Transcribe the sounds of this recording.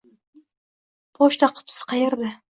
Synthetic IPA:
pʰoʃt̪aqʰʊ̥t̪ʰɪ̥sɪ̥qʰɑjeɾd̪ɪ

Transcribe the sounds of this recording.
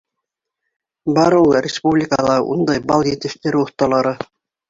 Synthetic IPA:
bɑɾulˠrʲɪspublʲɪkəlˠɑṵnd̪ɑjbɑlˠjĕt̪ɘ̆ʃt̪eɾɘoθt̪ɑlˠɑɾɤ

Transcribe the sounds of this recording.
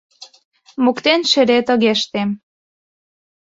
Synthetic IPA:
mukt̪enʃĕɾet̪ə̆ɣeʃt̪em

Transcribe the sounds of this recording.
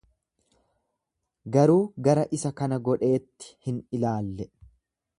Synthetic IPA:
ɡɐɾuːɡɐɾɐʔɪsɐkɐnɐɡɔᶑe̞ːt̪ːɪ̥hɪnɪlaːlːɛ

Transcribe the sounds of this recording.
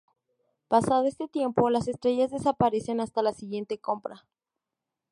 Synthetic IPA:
pasað̞o̞e̞st̪e̞t̪je̞mpo̞lase̞st̪ɾe̞ʝazðe̞sapaɾe̞se̞nast̪alasiɣje̞nt̪e̞ko̞mpɾa

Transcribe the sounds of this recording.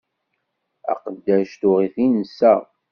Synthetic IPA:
æ̰qəd̪ːæʃt̪ʊʁiθinəsːæ

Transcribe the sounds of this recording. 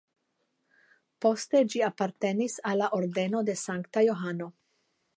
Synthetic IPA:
po̞st̪e̞d͡ʒiapaɾt̪e̞nisalːaʔoɾd̪e̞no̞d̪e̞saŋkt̪ajo̞ɦano̞

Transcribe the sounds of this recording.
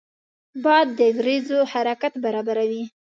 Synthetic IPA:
bɑad̪ːəɡɾezohaɾakat̪baɾɑbaɾawi

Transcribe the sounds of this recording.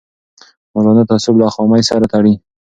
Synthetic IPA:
malɔnat̪asʊblaxɔmajsaɾat̪aɽi

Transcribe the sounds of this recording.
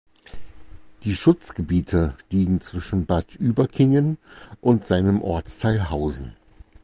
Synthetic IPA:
d̥iːʃʊt͡sɡ̥əbiːtʰəliːɡŋ̩t͡sv̥ɪʃn̩batʔyːbɐkʰɪŋənʔʊntz̥aɪnəmʔɔɐt͡stʰaɪlɦaʊzn̩

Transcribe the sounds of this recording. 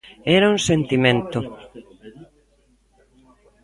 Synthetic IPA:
ɛɾauŋsent̪imẽnt̪ʊ

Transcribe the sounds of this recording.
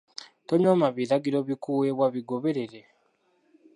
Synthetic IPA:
toɲomaβiɾaɡiɾo̞βikuweβwaβiɡo̞βe̞ɾe̞ɾe

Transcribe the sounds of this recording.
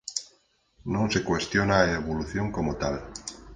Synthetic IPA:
nõnse̞kwe̞st̪jonaeβ̞oluθjo̞ŋkomot̪al

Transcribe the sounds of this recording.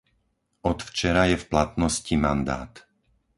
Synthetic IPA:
ʔɔt̪ft͡ʃɛɾajɛfplat̪nɔscimand̪a̰ːt̪

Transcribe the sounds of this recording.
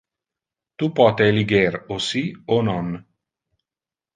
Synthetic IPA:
t̪upɔːt̪eliɡerosionɔn

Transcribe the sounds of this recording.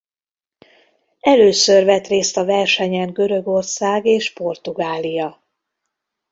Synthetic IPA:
ɛløːsørvɛt̪reːst̪ɒvɛrʃɛɲɛŋɡø̞ɾøɡo̞rsaːɡeːʃpo̞rt̪uɡaːlijɒ

